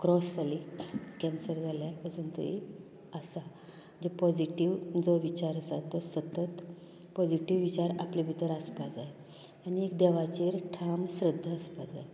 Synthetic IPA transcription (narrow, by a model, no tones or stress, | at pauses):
kɾɔsd͡zalikɛnsəɾd͡zʱaljapəsunt̪ə̰ḭ | əsa | d͡ʑepɔd͡ʑiʈiʋd͡zɔʋit͡ɕaɾəsat̪ɔsət̪ət̪ | pɔd͡ʑiʈiʋːit͡ɕaɾaplibʱit̪əɾaspad͡zaj | aniekd̪ɛʋat͡ɕeɾʈʰamɕɾəd̪ʱːəəspad͡za̰e